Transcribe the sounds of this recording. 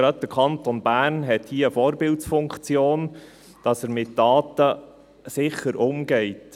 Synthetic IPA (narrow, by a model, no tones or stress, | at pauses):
ɾœt̪ːəkʰɑntɔnbæːrnɦɛthiːəəfoːɾbɪltsfʊŋkt͡sjoːn | d̥ɑsəɾmɪtd̥ɑːtə | sɪχəɾʔʊmɡɛɪt